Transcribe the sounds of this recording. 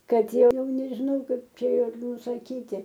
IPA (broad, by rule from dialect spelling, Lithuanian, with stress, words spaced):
ˈkɐt ˈjɛʊ nʲɛʒʲɪˈnɐʊ ˈkɐɪp ˈt͡ʃʲɛ ɪr nʊsɐˈkʲiːtʲɪ